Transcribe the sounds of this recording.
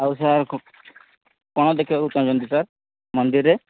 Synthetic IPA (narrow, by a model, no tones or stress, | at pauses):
awus̬aɾkʰu | kɔɽ̃ɔd̪ekʰibaut̪ɔnd͡ʒɔnd̪isaɾ | mɔnd̪iɾe